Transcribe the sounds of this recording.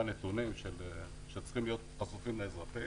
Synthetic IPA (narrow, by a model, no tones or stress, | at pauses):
anet̪unimʃel | ʃet͡sχimlijo̞t̪̚asufimleezʁat̪i